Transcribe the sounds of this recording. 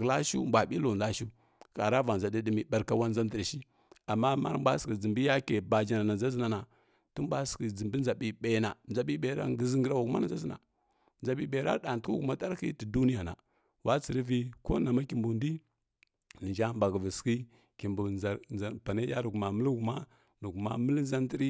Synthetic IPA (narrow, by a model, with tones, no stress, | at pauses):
la˦ʃṵ˦mbʷa˨ɓi˦lo˨da˦ʃu˦ | ka˨ɾa˦va˨nza˨di˦di˦mi˨ɓa˨ɾka˨wa˦nza˦ndə˨ɾʃi˦ | a˨mːa˦ma̰˦ɾbʷa˦ski˨d͡zi˨mbi˦ja˦ke˨ba˨d͡ʒa˨na˨na˨d͡za˦zi˦na˨na˨ | tu˦m˦bʷa˦ski˨d͡zi˨mbi˦nza˨ɓi˨ɓe˨˦na˨nd͡za˨ɓi˦ɓe˨ɾa̰˦ɡə˨zi˦ŋɡi˦ɾa˨wa˨ku˦ma˦na˨za˦zi˦na̰˨ | nza˨ɓi˨ɓe˨ɾa̰˦ɗa˨n˨tu˦ku˦ɡu˨ma˦ta˦ɾkḭ˦ti˨du˦ni˦ja˨na̰˨ | wa˦t͡si˨ɾi˦vi˦ko̰˦na˨ma˦ki˨mbu˨ndi˦ | ni˨nd͡ʒa˦m˦ba˨ɡvi˨ski˦ | ki˨mbu˨a˨pa˨ne˦ja˦ɾu˨ɡu˨ma˨mə˦lɡu˨ma˦ | nu˨ɡu˨ma̰˦mə˦lza˦n˦di˦ɾi˦